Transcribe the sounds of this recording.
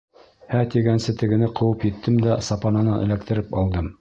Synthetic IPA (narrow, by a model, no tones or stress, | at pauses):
hæt̪iɡænsɘt̪ɘ̆ɡɘ̆nɘqʰɤ̆wɤpjɘ̆t̪ːɘmd̪æsɑpɑnɑnɤnʔɘ̰̆læk̚t̪ɘ̆ɾɘpɑlˠd̪ɤm